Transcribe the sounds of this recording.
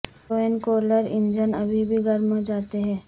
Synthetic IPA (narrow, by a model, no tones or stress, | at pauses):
oːənkoːɾləɾɪ̃nd͡ʒənɐbʱibʱiɡɐɾmõd͡ʒaːt̪eɦɛ̃ː